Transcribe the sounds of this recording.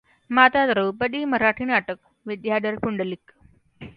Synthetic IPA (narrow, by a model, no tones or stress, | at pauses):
mat̪at̪ɾəwpəd̪iːməɾaʈʰiːnaʈək | ʋid̪jad̪əɾpuɳɖəlik